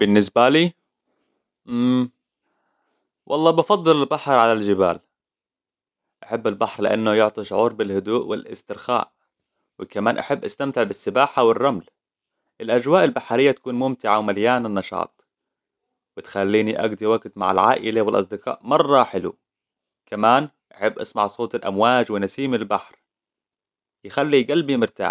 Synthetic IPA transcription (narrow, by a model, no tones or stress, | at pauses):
b̥ɪnːɪsbaliː | ʔ | wʔɑ̰lˤːɑːbɑfɑd̪ˤːɨlɪlbaħɾˤʕalald͡ʒɪba̰ːl | ʔaħabːɪlbaħɾlɪʔanːʊjʊʕt̪ˤiʃʊʕuːɾbɪlhʊd̪uːʔwɪ̰lʔɪ̰st̪ɪɾxa̰ːʔ | wɪkamaːnʔaħabːʔast̪amt̪ɪʕbɪsːɪbaːħawɪrˤːaml | ʔɪlʔad͡ʒwaːʔɪlbaħaɾɪjːat̪ḁkuːnmʊmt̪ɪʕawmaljaːnɪnːɑʃɑ̰ːt̪ˤ | wɪt̪xalːiːniʔa̰ɡd̪iwaɡt̪ma̰ʕa̰lʕa̰ːʔɪlawɪlʔɑ̰sˤd̪ɪqɑ̰ːʔmɑrˤːɑħɪlṵ | kamaːn | ʔaħɪbːʔasmaʕsˤoːt̪ˤɪlʔamwaːd͡ʒwɪnasiːmɪlbaħɾ | jɪxalːiɡalbimɪɾt̪a̰ːħ